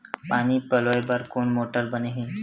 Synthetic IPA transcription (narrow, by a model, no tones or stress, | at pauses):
paːnipəloːebəɾkoːnmoːʈəɾbəneɦin